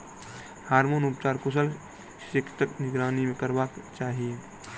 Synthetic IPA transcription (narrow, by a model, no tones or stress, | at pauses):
haːɾmoːnʊpt͡ʃaːɾkʊs̬əl | ʃɪkʰt̪əknɪɡɾaːnimẽkɐɾbaːkt͡ʃaːɦie